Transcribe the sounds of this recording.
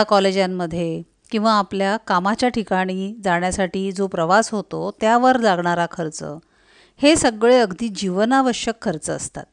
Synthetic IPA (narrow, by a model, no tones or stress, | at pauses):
akɔled͡ʑjamːəd̪ʱːje | kĩw̃ʋaːpljakamat͡ɕjaʈʰikaɽ̃iːd͡zaɳjasaʈiːd͡zopɾəʋasɦot̪ot̪jaʋəɾd͡zaɡɳaɾakʰəɾt͡sə̰ː | hesəɡɭeəɡd̪iːd͡ʑiʋənaʋəɕjəkʰːəɾt͡səːst̪a̰t̪̚